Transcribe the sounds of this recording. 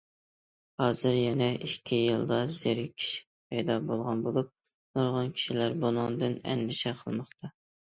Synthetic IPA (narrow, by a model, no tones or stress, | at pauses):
hɑːz̥ɨɾjɛnɛʔikʲʰːijɨlˠd̪ɑz̥eɾkʲʰi̥ʃɪ̥ | pʰɛjd̪ɑbolˠʁɑnbolˠup̚ | noɾʁɑnkʲʰi̥ʃilæɾbunɨŋd̪ɨnɛ̰nːɪʃɛqʰəlˠmɑχt̪ʰɑ